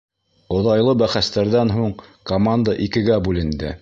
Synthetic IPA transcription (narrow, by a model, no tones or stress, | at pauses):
ŏðɑjlˠɤbæχæst̪æɾðænɦuɴkɐmand̪əʔikɘ̆ɡæbʉlɘ̆nd̪ɘ̰